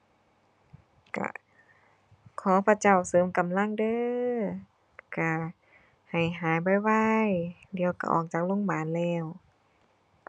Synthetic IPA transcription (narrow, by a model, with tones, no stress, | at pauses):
ka̰˧˩ | kʰɔː˨˦pʰa˧t͡ɕa˧˩wsɤː˨˦mka˨mla˧˥˨ŋdɤː˧˨ | ka˧˩ | ha˨˩jɦaː˨˦jba˧˩jwa˧jdi˨˧˨əwka̰˧˩ʔɔ̰ː˧˩k̚t͡ɕaː˨˩k̚lo˧˥˨ŋbaː˨nlɛː˧˩w